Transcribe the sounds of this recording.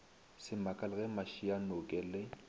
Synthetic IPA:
sɪmakʼalɪɣɛmaʃianʊkʼɛlɪ

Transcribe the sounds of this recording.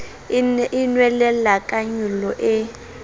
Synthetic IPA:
inwɛlɛlakʼaɲulɔʔɪ

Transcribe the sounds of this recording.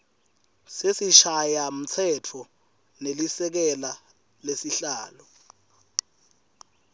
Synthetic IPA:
sesiʃajam̩t͡sʰɛtʰɔ | nelisɛk̬ɛla | lesiɬaːlɔ

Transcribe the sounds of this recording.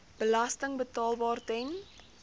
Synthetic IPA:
b̥əlɐstəŋbətɑːlˠbɑːrtɛn

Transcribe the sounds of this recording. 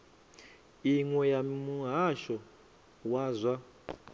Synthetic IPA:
iŋwɛjamuɦaʃɔ | waːzwa

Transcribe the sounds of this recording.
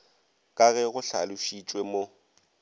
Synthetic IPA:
kʼaɣɛɣʊɬalʊʃit͡ʃʼwemo

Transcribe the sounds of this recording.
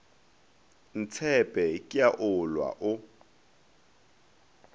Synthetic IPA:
n̩t͡sʰɛpʼɛkʼɪjaʔʊlwa̰ʔʊ

